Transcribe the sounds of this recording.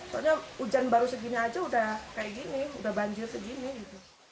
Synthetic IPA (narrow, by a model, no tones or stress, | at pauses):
t̪aɲaud͡ʒanbaɾusəɡiniad͡ʒaudahkajaʔɡinɪudahbaɲd͡ʒɪrsəɡinɪɡit̪u